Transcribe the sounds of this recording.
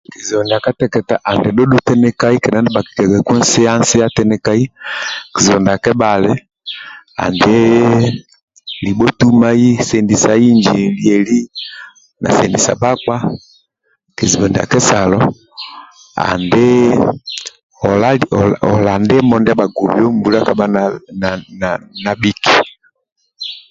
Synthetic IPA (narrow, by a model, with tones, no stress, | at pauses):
ki˨zi˨ɔ˨ndi˨a˨ka˦tɛ˦kɛ˨ta˨ʔa˨ndɛ˨dɔ˦ɗu˦tɛ˦nɛ˦ka˦i˦kɛ˨na˦ndɛ˦ba˨ki̥˨ka˨kɛ˨kwɛ˦n˦se˦a˦n̩˦se˦a˦tɛ˦nɛ˦ka˦i˦ki˨zɔ˨nda˨kɛ˦ba˨lɛ˦ | a̰˨nde˦ | li˨ɓɔ˦tu˦ma˦i˦sɛ˨ndi˨sa˨i˦ɲd͡ʒi˨li˨ɛ˨li˦ | na̰˨sɛ˨ndi˨sa̰˨ba˦k͡pa˦ | ki˨zi˨bɔ˨nda̰˨kɛ˦sa˨lɔ˦ | a̰˨ndɛ˦ | ɔ˨la˦˨ɔ˨la˨ndɛ˦mɔ˨ndba˨ɡu˨bjɔ˦m˦bu˨la˦ka˨ba˦nna˨na˨na˨bi˦ki̥˨